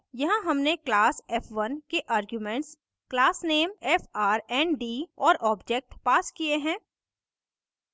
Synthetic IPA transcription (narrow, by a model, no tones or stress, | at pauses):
jɐɦãɦɐmneklaːsɛːfʰʋɐnkeʔaːɾɡjumẽːɳʈs | klaːsneːmɛːfaːɾɛːnɖiːɔːɾʔɔːbd͡ʒek̚ʈpaːskieɦɛ̃ː